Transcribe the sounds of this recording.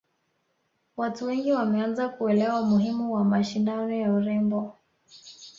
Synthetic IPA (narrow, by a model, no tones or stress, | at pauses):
watuwɛŋɡiwamɛanzakuɛlɛwamuhimuwamaʃindanɔjauɾɛmbɔ